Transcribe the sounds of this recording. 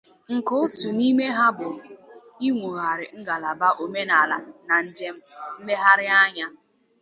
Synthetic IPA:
ŋ̩˨kʊ˦ʊ˦tu˨ni˦me˦ɦa˦bʊ˨ | i˦ŋʷu˨ɣa˨ɾɪ˨ŋ̩˦ɡa˨la˨ba˦ʔo˨me˦na˨la˨na˨n̩˦d͡ʒe˦m̩˦m̩˦me˦ɦa˦ɾɪ˦a˦ɲa˦

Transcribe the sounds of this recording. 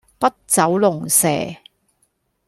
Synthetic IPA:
pɐ˥t̚t͡sɐ˨˥wlʊ˨˩ŋsɛ̰ː˨˩

